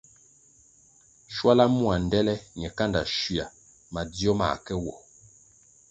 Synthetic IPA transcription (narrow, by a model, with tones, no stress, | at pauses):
ʃwa˦la˦mu˦a˨n˨dɛ˦lɛ˦ɲɛ˨ka˦nda̰˨ʃi˨a̰˨ | ma˨d͡zjɔ˦ma̰˨kɛ˦wɔ˨